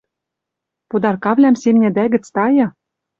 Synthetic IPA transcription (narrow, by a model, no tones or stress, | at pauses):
pud̪ɑrkɑβlʲæmsemnʲæd̪æɡɘ̆t͡st̪ɑjɤ̆